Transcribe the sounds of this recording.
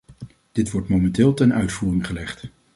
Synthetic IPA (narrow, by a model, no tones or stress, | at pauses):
d̥ɪtʋɔɹtmowmɛntɪːlˠtɛnʔœɥtfuːrɪŋχəlɛχt